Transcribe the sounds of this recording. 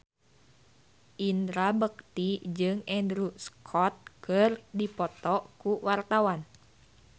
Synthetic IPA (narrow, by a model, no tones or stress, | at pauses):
ʔind̪ɾabək̚t̪id͡ʒɨŋɛndɾuskʰɔt̪̚kɨrdipɔt̪ɔkuwart̪awan